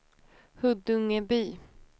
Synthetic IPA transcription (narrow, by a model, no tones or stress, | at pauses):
hɵd̪ɵŋːəbyː